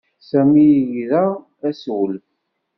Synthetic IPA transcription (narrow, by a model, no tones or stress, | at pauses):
sæmijʝðæ | æswəl